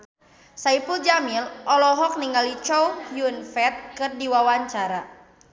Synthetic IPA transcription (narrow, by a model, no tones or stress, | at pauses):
saipuld͡ʒamilɔlɔɦɔk̚niŋalit͡ʃɔuhjunfɛt̪̚kɨrdiwawaɲt͡ʃaɾa